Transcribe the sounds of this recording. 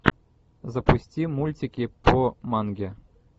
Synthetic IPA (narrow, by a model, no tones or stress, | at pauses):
zɐpusʲtʲimulʲtʲikʲipʰomɑnɡʲe